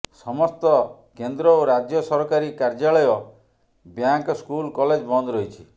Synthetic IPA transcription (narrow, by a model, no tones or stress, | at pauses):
sɔmɔst̪ɔ | kend̪ɾɔoɾad͡ʒjɔsɔɾɔkaɾikaɾd͡ʒaɭɔjɔ | bjaŋkɔskulkɔled͡ʒbɔnd̪ɔɾɔɦit͡ʃʰi